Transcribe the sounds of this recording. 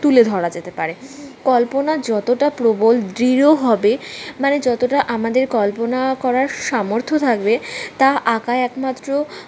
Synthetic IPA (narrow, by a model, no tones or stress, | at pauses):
t̪uled̪ʱɔɽad͡ʑet̪epaɾekɔlponad͡ʑɔt̪oʈapɾobold̪ɾiɾoɦɔbemaned͡ʑɔt̪oʈaʔamad̪eɾkɔlponakɔɾaɾʃamoɾt̪ʰot̪ʰak̚bet̪aʔakaeɛkmat̪ːɾo